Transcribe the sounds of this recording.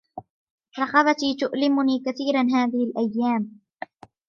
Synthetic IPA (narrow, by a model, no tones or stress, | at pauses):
ɾˤɑqɑbat̪iːt̪ʊʔlɪmʊniːkaθiːɾanɦaːðɪhɪlʔajːaːm